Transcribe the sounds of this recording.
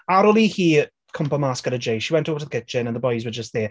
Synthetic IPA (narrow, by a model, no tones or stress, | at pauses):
aɾɔlˠihiː | kʰʊmpəmaskəɾəd͡ʒejʃiwɛntʰoːvətʰəkʰɪt͡ʃɪnə̃nðəbɔjzwəd͡ʒəstðiː